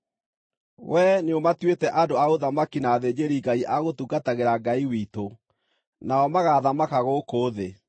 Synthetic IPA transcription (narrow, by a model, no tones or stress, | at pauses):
wʔɛneomatwetɛʔadoaoðamakinaːðed͡ʑeɾiɡaiʔaɣotuɡataɣeɾaɡaiwito | naɔmaɣaðamakaɣokoːðe